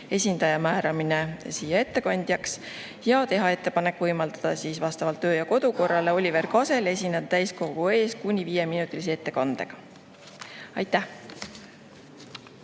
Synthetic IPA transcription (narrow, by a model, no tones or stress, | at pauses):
e̞sʲind̪̥ɑjɑmæːɾɑminesiːjɑe̞t̪ːe̞kɑnʲd̪̥jɑks | jɑt̪e̞ɦɑe̞t̪ːˑepɑne̞kːˑvɤjmɑld̪̥ɑd̪̥ɑsiːsvɑst̪ɑvɑlt̪ːøːjɑko̞d̪̥uko̞rːɑle̞o̞lʲive̞rkɑse̞le̞sʲined̪ɑt̪æjsko̞ɡ̥ue̞ːskunʲiviːje̞minut̪ːˑilis̬ee̞t̪ˑːe̞kɑnd̪e̞̰ɡ̥ɑ | ɑjt̪ːˑæh